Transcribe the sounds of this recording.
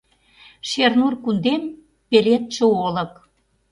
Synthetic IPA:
ʃernurkund̪em | pelet̪ʃeolɤ̆k

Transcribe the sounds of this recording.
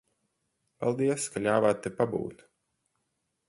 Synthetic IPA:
palˠd̪iɛskalʲaːvaːt̪ːepabṵːt̪

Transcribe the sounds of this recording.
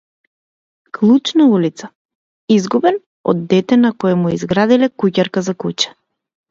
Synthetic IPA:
klˠut͡ʃnaulit̪sa | izɡubɛn | ɔ̰d̪ːɛt̪ɛnakɔjɛmuɛizɡɾad̪ilɛkucaɾkazakut͡ʃɛ̥

